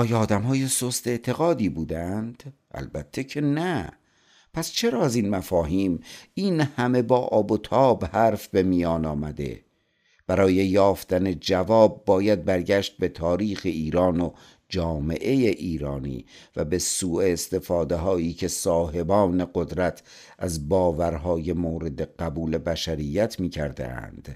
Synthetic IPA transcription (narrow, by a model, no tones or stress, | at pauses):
ɒːjɒːd̪æmhɒːje̞sost̪e̞ʔt̪ʰe̞ɣɒːd̪iːbuːd̪ænd̪̥ | æ̰lbæt̪ʰːe̞cʰe̞næ | pʰæst͡ʃʰe̞ɾɒːæziːnmæfɒːɦiːmiːnhæme̞bɒːʔɒːbot̪ʰɒːbhæɾfbe̞mijɒːnɒːmæd̪e̞̰ | b̥æɾɒːje̞jɒːft̪æne̞d͡ʒævɒːb̚ːɒːjæd̪̚bæɾɟæʃt̪̚be̞t̪ʰɒːɾiːxeʔiːɾɒːno | d͡ʒɒːme̞̰ʔe̞jeʔiːɾɒːnḭːvæbe̞suːeːst̪e̞fɒːd̪e̞ɦɒːiːcʰe̞sɒːɦe̞bɒːne̞ɡod̪ɾæt̪ʰ | ʔæzbɒːvæɾɦɒːje̞moːɾe̞d̪e̞ɢ̥æbuːle̞bæʃæɾijːæt̪ʰmiːcʰæ̰ɾd̪ḛʔæ̰nd̪̥